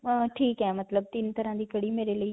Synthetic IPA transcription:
ʈʰiːkɦɛːmɐt̪ləb̚t̪ɪnt̪ɐɾãd̪iːkɐɽimeːɾeləi

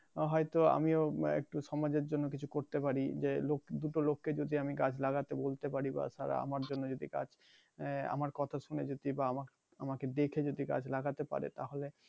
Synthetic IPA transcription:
ɦɔjt̪oa̰mioḛk̚ʈuʃɔmad͡ʑeɾd͡ʑonːokit͡ɕʰukoɾt̪epaɾid͡ʑelokd̪uʈolokːed͡ʑod̪ʱiamikad͡ʑʰʱlaɡat̪ebolt̪epaɾiba̰ʃaɾa̰a̰maɾd͡ʑonːod͡ʑod̪iɡa̰d͡ʑ | a̰maɾkɔt̪ʰaʃuned͡ʑod̪ibaama | amaked̪ekʰed͡ʑod̪ʱiɡa̰d͡ʑlaɡat̪epa̰ɾḛt̪aɦole

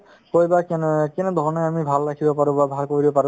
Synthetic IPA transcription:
kojbakɛnkɛnɛd̪ʱɔɹnɔamibʱalːakʰibɔpaɹũbabʱalkoɹibɔpaɹũ

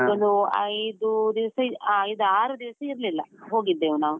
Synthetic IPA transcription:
ond̪uɐ̰jd̪ud̪iʋɐsɐjd̪uaːɾud̪iʋɐsɐiɾlilːɐɦoːɡid̪ːeːʋɐnaːʋu

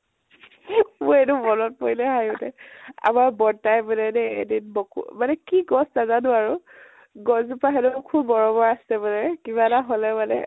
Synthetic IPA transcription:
mʊɹedubɔnɔt̚pojlɛɦajʊnɛa̰maɹbɔɹtajbɔnɛnɛḛdinbɔkṵmanɛkiɡɔsnazanʊaɹʊ | ɡɔsupaɦɛnʊkʰubːɔɹɔbɔɹasɛbɔnɛkiβataɦɔlɛmanɛ̰

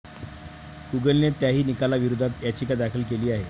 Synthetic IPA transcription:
kuɡəlnet̪jaɦiːnikalaʋiɾud̪ʱat̪jat͡ɕikad̪akʰəlk̬eliːaɦe

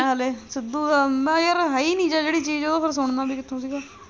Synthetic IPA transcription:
ɦaleːsɪd̪uːd̪aːnd̪aːjəɾɦaiːnĩːd͡ʒaːd͡ʒeːɽiːt͡ʃiːd͡ʒoːd̪oːkʰɪɾs̬ʊɳ̃d̪ãːbiːkɪt̪ʰːõːsiːɡaː

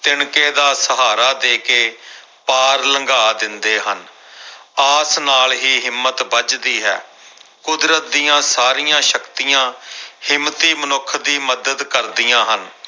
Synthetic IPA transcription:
t̪ɪɳkeːd̪aːsəɦaːɾaːd̪eːkeː | paːɾləŋɡaːd̪ɪnd̪eːɦən | aːsnaːlɦiːɦɪmːət̪bət͡ʃd̪iːɦɛ̰ːkʊd̪ɾət̪̚d̪ijãːsaːɾijãːʃəkt̪ijãːhɪmːt̪iːmənʊkʰːd̪iːməd̪əd̪kəɾd̪ɪjãːɦən

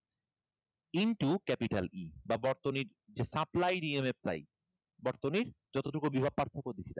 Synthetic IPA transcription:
inʈukɛpiʈalibabɔɾt̪oniɾ | d͡ʑesaplajɾiemep̚t̪a̰j | bɔɾt̪oniɾd͡ʑɔt̪oʈukubibʱab̚paɾt̪ʰokoɾd̪it͡ɕʰila̰

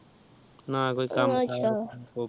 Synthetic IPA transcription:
nakoikamʃʰao

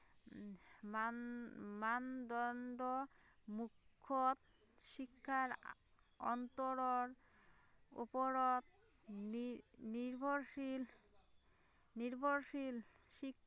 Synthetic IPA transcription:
mand̪ɔɳɖomukʰːot̪̚ | ʃikʰːaɾ | ɔ̰nt̪oɾoɾ | ṵpoɾot̪̚ | niɾbʱoɾʃil | niɾbʱoɾʃilʃik

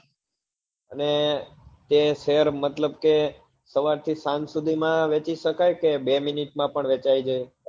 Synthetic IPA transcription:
əne | t̪eseəɾmət̪ləbke | səʋaɾt̪ʰisãnsud̪ʱimãʋet͡ʃiʃəkajkebeminiʈmãpəɳʋet͡ʃaid͡ʒaj

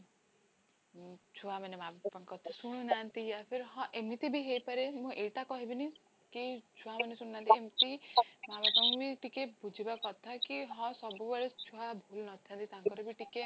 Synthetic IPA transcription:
t͡ʃʰuamanemabappaŋkɔt̪ʰḁsuɽ̃unant̪iapʰeɾɦɔ̃ʔemit̪ibiɦejpɔɾemũʔeʈakɔɦibini | kit͡ʃʰuamɔnesuɽ̃unaːnt̪iemit̪imabatɔŋ̃biʈikebud͡ʒʱibakɔt̪ʰakiɦɔ̃sɔbubeɭet͡ʃʰuɦabʱulnɔt̪ʰãnt̪it̪aŋkɔɾɔbiʈike

